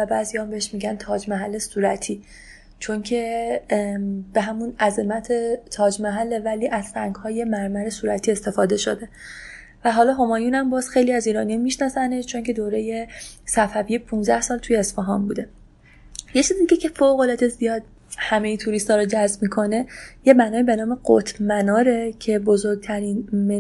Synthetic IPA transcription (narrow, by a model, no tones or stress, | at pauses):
væbæːzijɒmbeeʃmiːɟænt̪ʰɒːd͡ʒmæɦælːesuːɾæt̪ʰiː | t͡ʃʰo̞ŋcʰe̞ | b̥e̞ɦæmunæzemæt̪ʰet̪ʰɒːd͡ʒmæɦælːevæliːʔæz̥sæŋɡhɒːje̞mæɾmæɾesuːɾæt̪ʰiːe̞st̪e̞fɒːd̪e̞ʃo̞̰d̪e̞ | væɦɒːlɒːɦomɒːjunæmbɒːz̥xejliːæziːɾɒːnijɑmiʃnɒsæneʃt͡ʃʰo̞ŋcʰe̞d̪oːɾeje̞sæfævijepʰũnzd̪æhsɒːlt̪ʰujeːsfeɦɒːmbuːd̪e̞ | jet͡ʃʰiːzid̪icecʰe̞foɣolɒd̪e̞zijɒːd̪̚ | hæmejet̪ʰuɾist̪ɒːɾod͡ʒæzbmikʰo̞ne̞jemænɒːiːbenɒːme̞ɢo̰t̪ʰmænɒːɾecʰe̞bozoɾɡ̚t̪ʰæɾiːnme